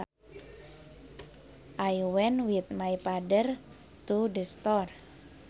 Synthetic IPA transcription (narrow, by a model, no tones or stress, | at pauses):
ʔajwɛnwit̪majpadər | t̪udəst̪ɔr